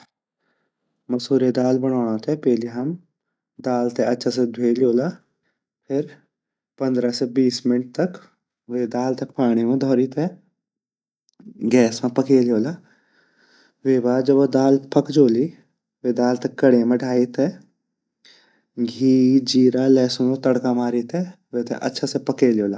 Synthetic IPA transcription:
mɐsuːɾjed̪aːlbəɽ̃aːɽ̃ãt̪ʰɛpɛːliɦɐm | d̪aːlt̪eɐtːʃʰas̬ed̪ʱweːljoːlaː | pʰɪɾ | pɐ̃nd̪ɾasebiːsmɪnʈ̚t̪ɐk | ʋeːd̪aːlt̪ɐkpaːɽ̃imẽd̪ʱɔːɾit̪ɦɛ | ɡɛːsmãpɐkeːlijoːlaː | ʋeːbaːd͡ʒɐbod̪aːlpɐkd͡ʒoːli | ʋed̪aːlt̪ɐkːəɽemẽɖʱaːit̪ʰɛ | ɡʱiːɾd͡ʒiːɾalɛːsõmõt̪ɐɽkamaːɾit̪ʰɛ | ʋet̪ʰḛʔɐ̰tːʃʰasepɐkeːljoːlaː

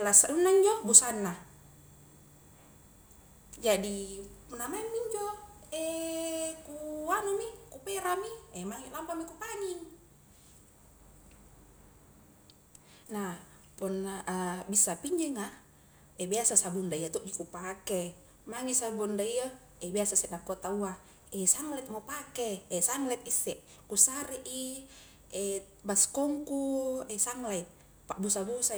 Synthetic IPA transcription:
lasaunːaiɲd͡ʒɔbusanːa | d͡ʒadipunamamːiɲd͡ʒɔɛ | kuanomikupeɾamiɛmaŋilampamikupaniŋ | na | punːaʔbisːapiɲd͡ʒɛŋa | ɛbiasasabundaiat̪ɔʔd͡ʒikupake | maŋisabundaija | ɛbiasasɛʔnakːot̪aua | ɛsaŋlɛt̪̚mopakeːsaŋlɛt̪̚isːɛʔ | kusarʔi | ɛ | baskɔŋkuɛsaŋlait̪̚ | pabusabusa

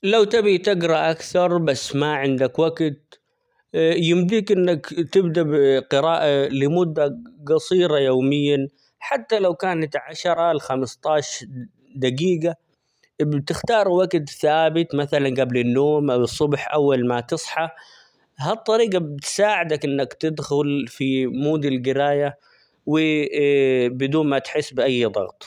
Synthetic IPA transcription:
lawt̪abit̪ɪɡɾˤɑʔakθɑɾˤbasːmaʕɪnd̪akwaɡt̪̚ | jɪmd̪iːkʔɪnːakt̪ɪbd̪abqɪɾaːʔalɪmʊd̪ːaɡɑsˤiːɾɑjoːmɪjːan | ħat̪ːalawkaːnat̪ʕaʃɑɾˤɑlxamɪst̪ˤɑːʃ | d̪aɡiːɡa | bt̪ɪxt̪ɑːɾˤwaɡt̪θaːbɪt̪maθalanɡablɪnːoːmʔawɨsˤːʊbħʔawːalmat̪ɨsˤħɑ | ɦat̪ˤːɑɾiːɡɑbɪt̪saːʕɪd̪akʔɪnːakt̪ɪd̪xʊlfimuːd̪ilɡɪɾaːja | wɪ | bɪd̪uːnmat̪ħɪsːbɪʔajːd̪ˤɑ̰ɣt̪ˤ

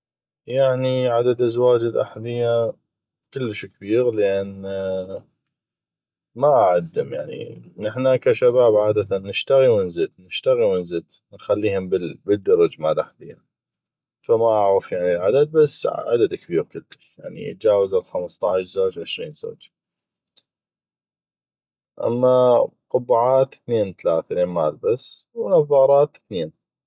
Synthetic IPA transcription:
jaʕniʕad̪ad̪ʔazwaːd͡ʒɪlʔa̰ħlɪjːa | kɪlːəʃkbiːɾləʔan | maʔaʕad̪ːɪmjaʕnḭnɪħnakaʃabaːbʕaːd̪at̪anːɪʃt̪aɣiwɪnzəd̪nɪʃt̪aɣiwɪnzɪd̪ | nxalːiːhʊmbɪbəd̪ːɑɾˤɑd͡ʒmaʕlʔaħlɪjːa | famaʔaʕɾɑfjaʕnilʕa̰d̪ad̪̚basːʕa̰d̪ad̪akbiːkɪd̪ːɪʃja̰ʕnḭə̰t̪̚d͡ʒaːwazalxamst̪ˤɑʕɪʃzaːd͡ʒʕɪʃɾiːnzo̰ːd͡ʒ | ʔa̰mːaqʊbːaʕaːt̪θneːnt̪alaːθaleːnmaːlbasː | wnɑðˤɑːɾˤɑːt̪θneːn

